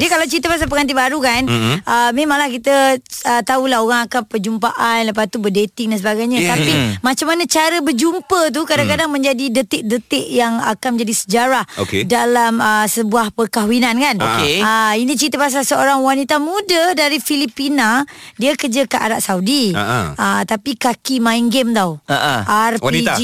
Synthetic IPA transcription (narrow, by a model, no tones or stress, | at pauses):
diəkalawt͡ʃɾit̪̬əpas̬ap̬əŋant̪̬ibaɾukanəmimãŋlahkit̪əət̪aulaɦoɣaŋakapəd͡ʒumpaʔanləp̬at̪ubədet̪ɪŋ̚dans̬əbaɡajɲat̪apimãt͡ʃamːanat͡ʃaɾəbərd͡ʒumpət̪̬ukadaŋkadaŋmə̃ɲd͡ʒadidət̪ɪʔ̚dət̪ɪʔjaŋa̰kanməɲd͡ʒadisə̥d͡ʒaɾahokedalaməsəbuahpəkaɦwinankanokeəinĩt͡ʃəɾit̪əpas̬asəoɾaŋwanit̪amũdədaɾifilipinadiakərd͡ʒakaʔa̰ɾaʔsaudiət̪apikakimaiŋɡɛmt̪awaarwiid͡ʒ